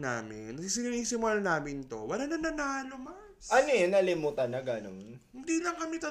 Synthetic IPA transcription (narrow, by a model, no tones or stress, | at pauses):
na̰ːmɪnːɐisɪniniːsɪmʊlanaːmɪnt̪o̞wɐlanɐnɐnaːlomɐ | sʔɐnojɛnɐlɪmuːt̪ɐnɐɡano̰mhɪnd̪ilɐŋkɐmɛt̪ɐ